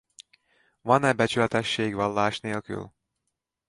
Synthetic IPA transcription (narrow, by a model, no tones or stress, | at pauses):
vɒnɛbɛt͡ʃylɛt̪ɛʃːeːɡʋɒlːaːʃneːlky̰l